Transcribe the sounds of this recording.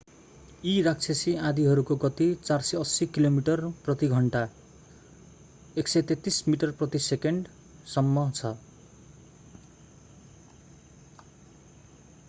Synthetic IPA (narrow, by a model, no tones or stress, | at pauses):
iɾak̚t͡sʰesiãd̪iɦʌɾukoɡʌt̪it͡sarsʌʌsikilomiʈʌrprʌt̪iɡʱʌɳʈa | eksʌjt̪et̪ːismiʈʌrprʌt̪isekeɳɖ | sʌmːʌt͡sʰʌ